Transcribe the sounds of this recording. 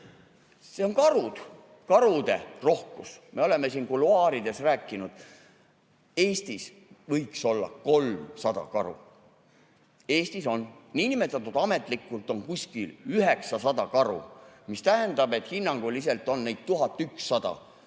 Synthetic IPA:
se̞o̞nkɑɾud̪̥ | kɑɾud̪̥e̞̰ro̞hkusme̞o̞le̞mːe̞siːnkuluɑːɾid̪e̞sræːkːˑinud̪̥ | e̞ːst̪is | vɤjkso̞lːɑ̰ko̞lmsɑd̪̥ɑ̰kɑ̰ɾṵ | e̞ːst̪iso̞nːiːnime̞t̪ːˑɑt̪ˑːud̪̥ɑme̞t̪ˑlikːˑult̪ˑo̞nkusʲkilyɦe̞ksɑsɑd̪ɑkɑɾṵmist̪æɦe̞nd̪ɑbe̞t̪hinːɑŋɡ̥ulːis̬e̞lt̪ːˑo̞nːejd̪̥̚t̪uɦɑt̪ːˑyksːɑd̪̥ɑ̰

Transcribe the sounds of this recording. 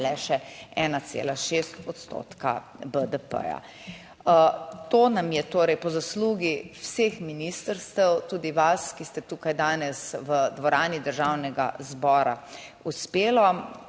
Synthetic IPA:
lɛʃɛɛːnat̪sḛːlaʃeːst̪ɔt̪st̪o̰ːt̪ka̰ | bəd̪əpə̰ja̰ | t̪oːnamjɛt̪oːɾɛjpɔzasluːɡiwseːxminist̪əɾst̪ɛwt̪uːd̪iʋaskist̪ɛt̪uːkajd̪aːnɛsʋəd̪ʋɔɾaːnid̪əɾʒawnɛɡa̰zbɔːɾa̰uspeːlɔ

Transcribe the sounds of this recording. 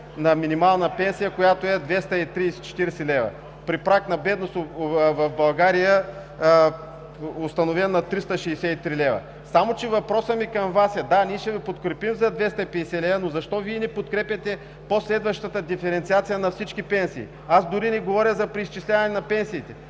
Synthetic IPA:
nɐminimalˠnɐpɛnsijəkojat̪oɛd̪vɛst̪ɐit̪ɾisɛ̥t͡ʃɛ̥t̪iɾɛsɛlɛvɐ̰ | pɾipɾaknɐbɛd̪nost̪ovɐfbɐlˠɡaɾijə | ost̪ɐnovɛnːɐt̪ɾist̪əʃɛsɛit̪ɾilɛvɐ̰ | samot͡ʃɛvɐpɾɔsəmikɐmvasɛd̪anʲiɛʃɛvɛpot̪kɾɛpimzɐd̪vɛst̪ɐipɛd̪ɛsɛlɛvɐnozɐʃt̪ɔviɛnɛpot̪̚kɾɛpʲjɐt̪ɛ | poslɛd̪vɐʃt̪ət̪əd̪ifɛɾɛnt̪siat̪sijənɐfsit͡ʃkʲipɛnsḭː | azd̪ʊɾinɛɡovɔɾʲjəzɐpɾiist͡ʃislʲavɐnɛnɐpɛnsiːt̪ɛ

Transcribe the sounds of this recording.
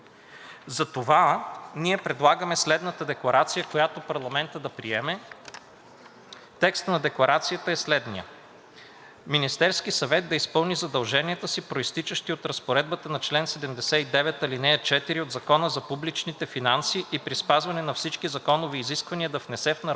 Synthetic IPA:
zɐt̪ovaniɛpɾɛd̪lˠaɡəmɛslɛd̪nət̪əd̪ɛklˠɐɾat̪sijəkojat̪opɐɾlˠɐmɛnt̪əd̪ɐpɾiɛmɛ | t̪ɛkst̪nɐd̪ɛklˠɐɾat̪sijət̪əɛslɛd̪nijə̰ | minist̪ɛɾskisɐvɛt̪̚d̪ɐispɤlˠnizɐd̪ɐlˠʒɛniɛt̪əsipɾoist̪it͡ʃəʃt̪iot̪ɾɐspoɾɛd̪̚bət̪ənɐt͡ʃlɛnsɛd̪ɛmd̪ɛsɛid̪ɛvɛt̪ɐlinɛt͡ʃɛt̪iɾiod̪zɐkɔnəzɐpublit͡ʃnit̪ɛfinansiʔipɾispazvɐnɛnɐfsit͡ʃkizɐkɔnoviːziskvɐniəd̪ɐfnɛsɛfnɐɾ

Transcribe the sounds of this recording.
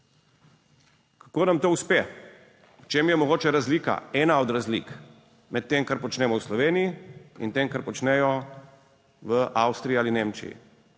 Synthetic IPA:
kakoːnamt̪oːuspe | wt͡ʃeːmjɛmɔɡoːt͡ʃɛɾazliːka̰ɛːnaɔd̪ɾazlḭːk | mɛt̪ːeːmkaɾpɔt͡ʃnɛːmɔwslɔʋeːnijiḭnt̪eːmkaɾpɔt͡ʃnɛjɔ | ʋəʔawst̪ɾiialineːmt͡ʃḭjḭ

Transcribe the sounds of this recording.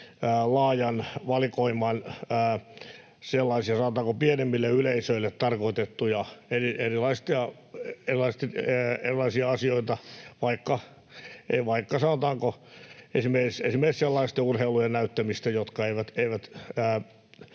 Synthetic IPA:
lɑːjɑnʋɑlikoimˑɑnː | selːɑisiɑsɑnot̪ɑːŋkopienemːilːeyleisøilːet̪t̪ɑrkoit̪et̪ːujɑerierilɑist̪iɑ | erilɑist̪ːerilɑisiɑɑsioit̪ɑʋɑikːɑ | ḛʋɑikːɑsɑnot̪ɑːŋkoesimersesimːeiselːɑist̪eurheilujennæyt̪ːæmist̪æjot̪kɑeiʋæt̪eiʋæt̪ː

